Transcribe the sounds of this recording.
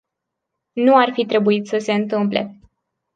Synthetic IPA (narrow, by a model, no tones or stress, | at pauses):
nuarfit̪ɾe̞buit̪səse̞ɨnt̪ɨmple̞̰